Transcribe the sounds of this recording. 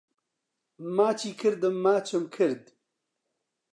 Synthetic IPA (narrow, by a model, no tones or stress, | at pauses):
maːt͡ʃiːkʰɨɾd̪ɨmːaːt͡ʃɨmkʰɨɾd̪